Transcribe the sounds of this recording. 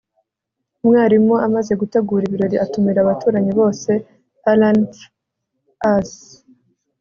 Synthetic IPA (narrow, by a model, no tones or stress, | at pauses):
umŋaːɾimoʔamaze̞ɡuteɡuːɾiβiɾo̞ɾiʔatumiɾaβatuːɾaɲiβo̞ːse̞ | alan | as